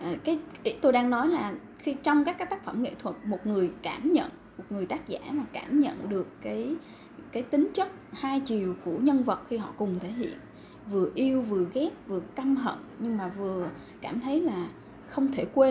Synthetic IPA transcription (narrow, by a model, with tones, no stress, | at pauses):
ʔkaː˨˦jʔi˨˦˥t̪o˧jɗaː˧ŋnɔ˨˦jlaː˨˩ | xi˧t͡ɕɔ˧wŋ͡mkaː˦˥k̚aː˦˥k̚t̪a˦˥k̚fə˧˩mŋḛ˧˨t̪ʰwə˨˩t̚mo˨˩t̚ŋɨ˨˩əjkaː˧˩mɲə̰˧˨n | mo˨˩t̚ŋɨ˨˩əjt̪aː˦˥k̚za̰ː˧˩maː˨˩kaː˧˩mɲə̰˧˨nɗɨ˨˩əkːaː˨˦j | kaː˨˦jt̪ï˨˦ŋ̟t͡ɕə˦˥t̚haː˧jt͡ɕi˨˩əwku˧˩əɲə˧nvə˨˩t̚xi˧ɦɔ̰˧˨kʊ˨˩ŋ͡mt̪ʰe˧˩ɦḭ˧˨ən | vɨ˨˩əʔi˧əwvɨ˨˩əɣɛ˦˥p̚vɨ˨˩əkə˧mɦə̰˧˨nɲɨ˧ŋmaː˨˩vɨ˨˩ə | kaː˧˩mt̪ʰə˨˦jlaː˨˩ | xə˧wŋ͡mt̪ʰe˧˩kwe˧